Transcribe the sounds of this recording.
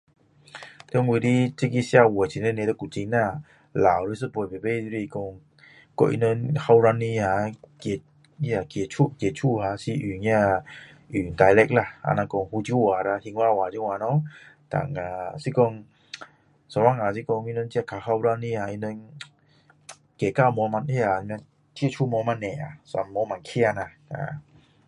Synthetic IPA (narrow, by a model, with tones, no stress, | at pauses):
t̪ŋwi˧di˦t͡ɕi˦ki˧˦sja˧wt͡ɕʰi˨nə˦ne˧t̪ə˦ku˨t͡ɕi˧ŋna˧˨ | la˨wɾi˧˦s̬ɨ˦ppe˨˩be˦˧zɾi˧i˧kɔ˧ŋ | kɔ̰˧ʔḭ˧˦nə˧˥nha˧wɾa˧nːi˧ha˨˧ke˧˩ | ɲi˧˦a˧˨kje˨˩t͡ʃʰu˦˧˦ʔkje˨˩t͡ʃʰu˧˨ha˧˦si˧ʔy˨ɲ˧a˧ | ʔy˨nt̪a˨˧jlɛ˧k̚la˧˨a̰˧na˧kɔ˧ŋhu˧t͡ɕu˧˦˩wa˨˩ɾa˧hi˧ŋwa˧˨waː˨d͡ʒu˧ŋwa˧nɔ˦t̪a̰˨˩ŋa˨si˦kɔ˧ŋ | sɔ˧˩wa˧˨ŋa˨si˦kɔ˧ŋi˧nə˧˦nt͡ɕi˧a˧˨kʰa˨˧˩xa˧wɾa˧ni˧ha˨i˧nə˧˦n | ke˨˩ka˧˨mɔ˧˦ma˧ni˧˨a˨˧m˧ | t̪ʰi˦˥ə˨t͡ʃʰu˧˨mɔ˧˦ma˧nɛ˨a̰˨sa˧nmɔ˧˦ma˨nkʰi˧˦a˧na˧˩ | a̰˨˧˨